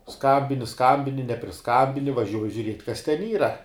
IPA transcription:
ˈskɐmʲbʲɪnʲɪ ˈskɐmʲbʲɪnʲɪ nʲɛpʲrʲɪˈskɑːbʲɪnʲɪ ʋɐˈʒʲuɔjɪ ʒʲʊˈrʲiɛtʲ kɐs tʲɛn ˈiːrɐ

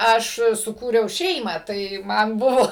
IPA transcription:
ˈɐʃ sʊˈkuːrʲɛʊ ˈʃʲɛɪmɑː ˈtɐɪ ˈmɐn ˈbʊʋoː

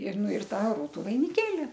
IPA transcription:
ɪr ˈnʊ ɪr ˈtɑː ˈruːtʊ ʋɐɪnʲɪˈkʲeːlʲɪ

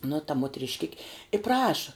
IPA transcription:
nʊ tɐ moːtʲrʲɪʃʲˈkʲɪkʲɪ ɪ prɐʃɐ

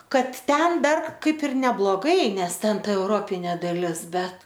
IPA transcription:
ˈkɐt ˈtʲɛn ˈdɐr ˈkɐɪp ɪr nʲɛblˠoːˈɡɐɪ ˈnʲɛs ˈtʲɛn ˈtɐ ɛʊˈroːpʲɪnʲeː dɐˈlʲɪs ˈbʲɛt

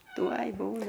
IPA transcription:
ˈtuɔj ˈbuːnɐ

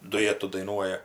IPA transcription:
dʊˈjæːtʊ dɐɪˈnuɔjɛ

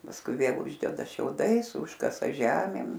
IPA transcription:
pɐsˈkʊɪ ˈʋʲeːlˠ ˈʊʒʲdʲɛdɐ ʃʲɛʊˈdɐɪs ˈʊʃkɐsɐ ˈʒʲæːmʲeːm

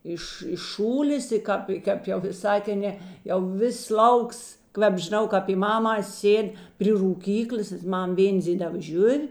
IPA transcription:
ˈɪʃ ɪʃ ˈʃuːlʲeːs ɪ ˈkɑːp ˈkɐp jɛʊ ʋʲɪˈsɑː tʲeːn ˈnʲeː jɛʊ ˈʋʲɪs ˈlˠɐʊks ˈkʋʲɛp ʒʲɪˈnɐʊ kɐp pʲiː ˈmɑːmɑːs ˈsʲeːtʲ pʲrʲɪ ruːˈkʲiːklʲeːs ˈmɐm ˈʋʲeːnʲd͡zʲeːlʲɛʋɐ ˈʒʲʊw

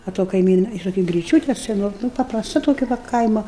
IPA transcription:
ɐ toː kɐɪˈmʲiːnɐ ɪr toːˈkʲɛ ɡrʲɪˈt͡ʃʲuːtʲɛ sʲɛˈnoː nʊ pɐprɐsˈtɐ toːˈkʲɛ ʋɐ ˈkɐɪmoː

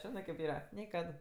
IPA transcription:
ˈʒʲɪnɜ kʲeːp ˈiːrɐ ˈnʲeː ˈkɐt

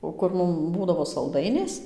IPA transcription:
oː ˈkʊr ˈmʊm ˈbuːdɐʋoː sɐlˠˈdɐɪnʲeːs

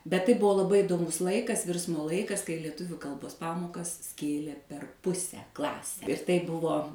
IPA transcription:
bʲɛt tɐɪ ˈbʊʋoː lˠɐˈbɐɪ iːdoːˈmʊs ˈlˠɐɪkɐs ˈʋʲɪrsmoː ˈlˠɐɪkɐs kɐɪ lʲiɛˈtʊʋʲʊ ˈkɐlˠboːs ˈpɑːmoːkɐs ˈsʲkʲeːlʲeː pʲɛr ˈpʊsʲɛ ˈklˠɑːsʲɛ ɪr tɐɪ ˈbʊʋoː

